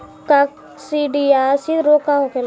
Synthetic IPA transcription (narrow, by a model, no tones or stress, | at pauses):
kak | siɖiasiɾokaõkel